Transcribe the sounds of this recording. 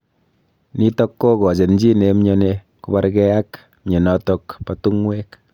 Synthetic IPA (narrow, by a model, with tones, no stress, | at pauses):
ni˦tɔ˦kːo˦kɔ˨t͡ʃe˨nd͡ʒi˦ne˨mɲɔ˦ne˦ | ku˦ba˦ɾkɛ˦a˦k | mɲe˨nɔ˦tɔ˦kpa˦tu˦ŋwe˦k